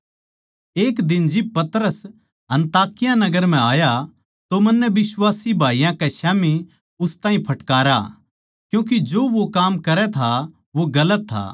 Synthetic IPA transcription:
eːkd̪ɪnd͡ʒɪb̚pɐt̪ɾəs | ɐ̃nt̪aːkɪjãnɐɡəɾm̤ɛ̃aːja | t̪omɐnːɛʋɪswaːsibʱaːijãkɛʃaːmi | ʊst̪aːĩpʰɐʈkaːɾa̰ | kjũːk̬id͡ʒoːʋokaːmkɐɾɛt̪ʰa | ʋoɡɐlət̪ʰːa̰ː

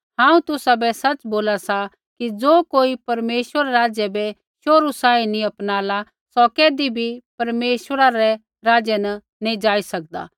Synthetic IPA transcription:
ɦãːũt̪ʊsabɛsɐt͡ʃboːlasa | kid͡zoːkoːipɐɾmeːʃwəɾɾaːd͡ʒjɛbɛ | ʃoːɾusaːinĩɐpnaːla | sɔkeːd̪ibʱipɐɾmeːʃwəɾaɾɛ | ɾaːd͡ʒɛnɐ | nĩd͡ʒaːisɐk̚d̪a̰ː

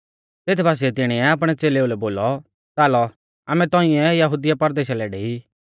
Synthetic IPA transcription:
t̪eːt̪ʰbaːs̬iɛt̪ɪɽ̃iɛaːp̬ɽ̃ɛt͡seːleulɛboːlɔ | t̪aːlɔ | aːmɛ̃t̪ɔ̃ːɪ̃ɛjɐɦuːd̪ɪjapɐɾd̪eːʃalɛːɽɛi

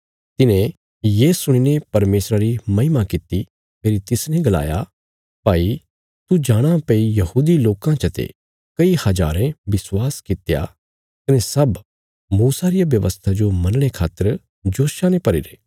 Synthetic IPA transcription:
t̪ɪnẽ | jeːsʊɽ̃inepɐɾmeːsɾaɾimɐɦɪmakɪt̪i | meːɾit̪ɪsnɛ̃ɡɐla̰ːja | paːi | t̪ud͡ʒaːɽ̃apeijɐhuːd̪iloːkãt͡ʃɐt̪ḛ | kɐihɐd͡ʒa̰ːɾẽbɪswaːskɪt̪ja̰ | kɐnesɐb | muːsaɾijaʋjɐʋə̰st̪ʰad͡ʒomɐnɽ̃ekʰaːt̪ːəɾ | d͡ʒoːʃanepɐɾiɾḛː

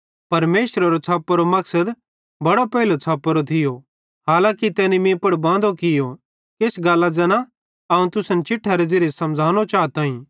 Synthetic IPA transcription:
pɐɾmeːʃɾaɾot͡sʰaːpːɾomɐksəd̪ | bɐɽopɛɦɪlot͡sʰaːpːəɾot̪ʰɪjo | ɦaːlãːkit̪ɛːnimĩpɐɽbãːnd̪okɪjo | keːsɡaːlːad͡zɐnã | ɐũt̪ʊsənt͡ʃɪʈʰːaɾed͡zɪɾsɐmd͡zʱaːnot͡ʃaːt̪ãːĩː

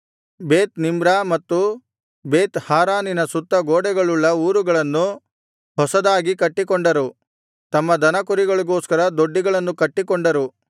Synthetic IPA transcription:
beːt̪nimbɾamɐt̪ːu | beːt̪haːɾaːninɐsut̪ːɐɡoːɽɛɡɐɭuɭːɐuːɾuɡɐɭɐnːu | hɔsɐd̪aːɡikɐʈːikɔɳɖɐɾu | t̪ɐmːɐd̪ɐnɐkuɾiɡɐɭiɡoːskɐɾɐd̪oɖːiɡɐɭɐnːukɐʈːikɔɳɖɐɾu

